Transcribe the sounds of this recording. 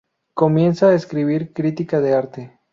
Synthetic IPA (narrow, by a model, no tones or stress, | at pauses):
ko̞mje̞nsaaeskɾiβiɾkɾit̪ikaðe̞aɾt̪e